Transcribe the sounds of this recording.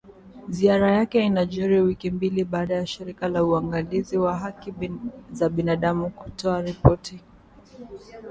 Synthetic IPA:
ziaɾajakɛinaʄɔɾiwikimbiliɓaːɗajaʃiɾikalauaŋɡaliziwaɦakizaɓinaɗamuku̥tɔaɾipɔtʰi

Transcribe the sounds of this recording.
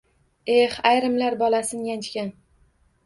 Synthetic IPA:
e̞hajɾɪmlaɾbɒlasɪnjant͡ʃkʲan

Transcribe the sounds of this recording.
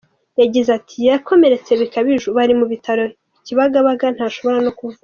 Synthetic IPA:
jaɟizatʰijako̞me̞ɾe̞t͡se̞βikaβiʒuβaɾimuβitaɾo̞ | iciβaɡaβaɡan̥haːʃo̞βo̞ɾano̞kuva

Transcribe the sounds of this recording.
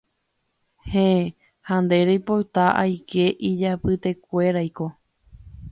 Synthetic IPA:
hẽ | hãnd̪e̞ɾejpowt̪aʔa̰jkʰe̞ʔid͡ʒapɨt̪e̞kʷe̞ɾajko̞

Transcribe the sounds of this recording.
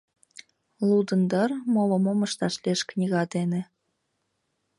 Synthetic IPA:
lˠud̪ɤ̆nd̪ə̆rmolŏmomɤ̆ʃt̪ɑʃlʲeʃknʲiɣɑd̪enĕ

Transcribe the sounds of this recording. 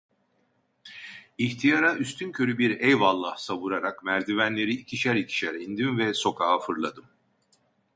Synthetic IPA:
içt̪ʰijaɾaʔyst̪ʰyncʰø̞ɾybiɾɛjvalˠːahsaβuɾaɾakmæɾd̪ivænlʲe̞ɾiːcʰiʃæɾicʰi̥ʃɛɾɛind̪imvɛso̞kʰaːafɯɾlˠa̰d̪ɯm

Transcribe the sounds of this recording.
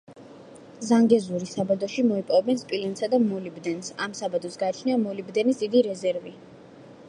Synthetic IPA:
zaŋɡɛzuɾisabad̪ɔʃimɔipʼɔvɛbɛnspʼilɛnsad̪amɔlibd̪ɛnsamsabad̪ɔsɡaːt͡ʃʰniamɔlibd̪ɛnisd̪id̪iɾɛzɛɾvi

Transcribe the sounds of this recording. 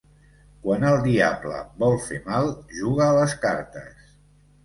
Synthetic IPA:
kwanəlˠd̪iablə̰bɔlˠfemalˠʒuɣəːləskaɾt̪ə̰s

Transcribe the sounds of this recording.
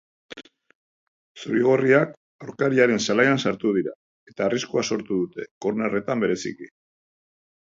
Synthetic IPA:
suɾiɣ̞oriak | awɾkaɾiaɾe̞nsalajansaɾt̪uð̞iɾa | e̞t̪aːriskuaso̞ɾt̪uðut̪e̞koɾnere̞t̪ambe̞ɾe̞sḭki

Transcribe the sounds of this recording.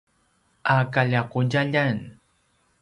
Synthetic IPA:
akaʎaqʊjaʎan

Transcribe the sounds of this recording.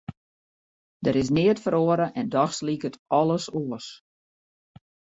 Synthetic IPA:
dəɾɪs̬nɪətfəɾoəɾəʔɛndɔxslikətɔlˠəsoəs

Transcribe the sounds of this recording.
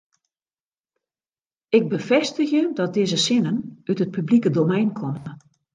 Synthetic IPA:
ɪɡ̚bəfɛstəxjədɔt̚dɪːzəsɪnənytət̚pʰyblikədomɛjnkʰɔm

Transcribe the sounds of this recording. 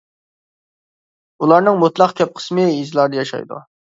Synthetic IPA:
ulˠɑɾnɨŋmut̪lˠɑqkʲʰɛp̚qʰə̥smɨizlˠɑɾd̪ɨjɑʃɑ̰jd̪ṵ

